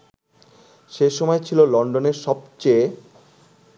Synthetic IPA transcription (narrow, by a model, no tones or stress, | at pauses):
ʃeʃɔmɔet͡ɕʰilolɔɳɖoneɾʃɔbt͡ɕe